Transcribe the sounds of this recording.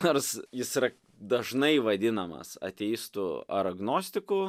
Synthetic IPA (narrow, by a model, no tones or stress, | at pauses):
norsjɪsiɾɐ | d̪ɐʒnɐɪʋɐd̪ʲɪnɐmɐ̰sɐ̰t̪ʲɛɪst̪uːɐ̰ɾɐɡnoːsʲt̪ʲɪkuː